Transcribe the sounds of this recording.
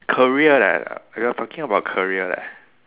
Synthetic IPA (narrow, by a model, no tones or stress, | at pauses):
kʰəɹiəlɛ̰t̚ajɔtʰɔkɪ̃ŋəbaʊt̚kʰəɹiədɛ̰t̚